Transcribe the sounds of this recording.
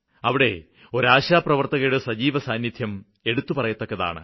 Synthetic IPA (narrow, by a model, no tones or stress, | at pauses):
ɐʋiɽe̞ | o̞ɾaːɕaːprɐʋɐrt̪ɐɣɐjuɽesɐd͡ʑiːʋɐsaːnjid̪ʰʱjɐm | e̞ɽut̪ːupɐrɐjɐt̪ːɐkːɐða̰ːɳɨ̰